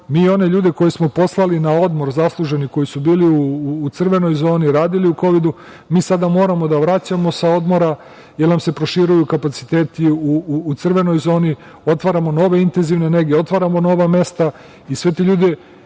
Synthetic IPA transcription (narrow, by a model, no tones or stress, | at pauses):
miːo̞ne̞ʎuːd̪e̞ko̞jismo̞po̞slˠalinao̞d̪mo̞ɾzaslˠuʒe̞niko̞jisubiːliuːt̪sr̩ʋe̞no̞jzo̞ːniɾaːd̪iliuko̞ʋid̪u | miːsad̪amo̞ːɾamo̞d̪aʋɾat͡ɕamo̞sao̞d̪mo̞ɾa | jelnamse̞pɾoʃiɾujukapat̪si̥t̪e̞ːt̪iuːt̪sr̩ʋe̞no̞jzo̞ːni | o̞t̪ʋaɾamo̞no̞ʋe̞int̪enziʋneneɡieo̞t̪ʋaɾamo̞no̞ʋame̞st̪a | isʋe̞t̪eʎuːd̪e̞